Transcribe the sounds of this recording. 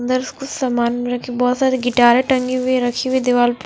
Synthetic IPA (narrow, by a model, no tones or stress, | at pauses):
nd̪əɾskʊsɐmaːnmẽɾɐkʰibɔːt̪saːɾiɡɪʈaːɾeʈɐŋɡiʋiɾɐkʰiʋid̪eʋaːlp